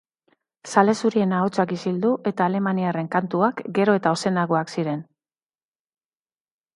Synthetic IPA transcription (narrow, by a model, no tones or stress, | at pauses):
sale̞suɾie̞nao̞t͡sakisild̪uʔe̞t̪aːle̞maniare̞ŋkant̪uakɡe̞ɾo̞e̞t̪ao̞se̞naɣo̞aksiɾe̞n